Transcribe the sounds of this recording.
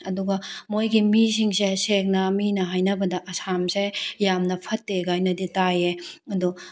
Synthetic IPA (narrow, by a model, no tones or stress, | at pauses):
ɐduɡɐmojɡimis̬iŋsesek̚nɐminɐɦajnɐbɐdɐʔɐsamsejamnɐpʰɐtːeɡajnɐditajeɐdu